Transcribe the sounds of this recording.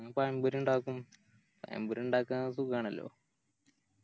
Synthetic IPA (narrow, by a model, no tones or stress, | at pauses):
ɐpaːjimbuɾuɳɖaːkːum | pa̰jḭmbuɾuɳɖaːkːas̬ukːaːɳɐlːo̰ː